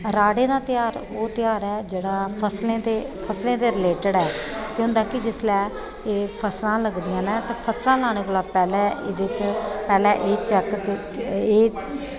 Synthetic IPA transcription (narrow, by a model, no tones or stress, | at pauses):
ɾaːɽeːd̪aːt̪ɪjaːɾoːt̪ɪjaːɾɛːd͡ʒeːɽaːpʰəslẽːd̪eː | pʰəslẽːd̪eːɾɪleːʈəɽɛːkjõːnd̪ãːkɪd͡ʒɪslɛː | eːpʰəslãːləɡd̪ɪjãːnɛːt̪eːpʰəslãːlaːɽ̃eːkʊlaːpɛːlɛ̃ːɪ̰d̪eːt͡ʃpɛːlɛ̃ːʔeːt͡ʃɛkkɪ | eː